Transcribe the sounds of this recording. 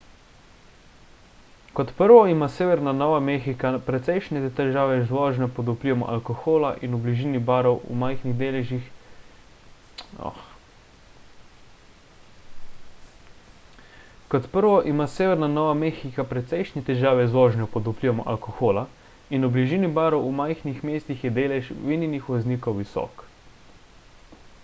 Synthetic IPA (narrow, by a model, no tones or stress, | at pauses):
kɔt̪pəɾʋɔimaːseːʋɛɾnanɔːʋamexikapɾɛt̪sɛjʃnɛt̪ɛʒaːʋɛzʋɔːʒnɔpɔd̪upliʋamɔ̰ʔa̰lkɔxoːlaʔḭnubliʒiːnibaːɾɔwṵmajxniɣd̪eːlɛʒix | ɔ̰x | kɔt̪pəɾʋɔʔimaːseːʋɛɾnanɔːʋamexikapɾɛt̪sɛjʃnit̪ɛʒaːʋɛzʋɔːʒnɛpɔd̪upliʋamɔʔa̰lkɔxoːla | inubliʒiːnibaːɾɔwumajxnixmeːst̪ixjɛd̪eːlɛʃʋininixʋɔzniːkowʋisɔ̰ːk